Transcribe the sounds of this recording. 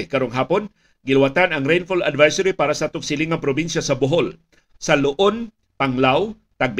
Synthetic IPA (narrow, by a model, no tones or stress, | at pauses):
kɐɾoŋɦaːpon | ɡɪlwat̪anɐŋɾejnfola̰d̪vɛjsɐɾipaːɾasɐt̪ʊksɪlɪŋɐŋpɾobinʃasɐbʊɦol | sɐlʊʔon | paŋlaw | t̪aɡ̚b